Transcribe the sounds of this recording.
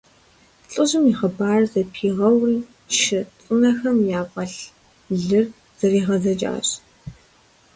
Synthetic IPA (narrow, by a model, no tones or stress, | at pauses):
ɬʼɨʑɨmiχɐbaːrzɐpʰiːʁɐwl | ʃɪt͡sʼɨnɐxɐmjaːqɐɬ | ɮɨr | z̥ɐriːʁɐzɐd͡ʒʼa̰ːɕ